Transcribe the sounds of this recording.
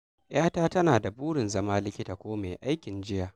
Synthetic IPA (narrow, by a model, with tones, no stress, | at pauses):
j̰aː˦taː˦tɐ˦naː˨da˨buː˦ɽɪ˨nzɐ˦maː˦lɪ˦kʲɪ˦taː˨kʷoː˦meː˨ʔa˦jkʲɪ˨nd͡ʒɪ˦jaː˨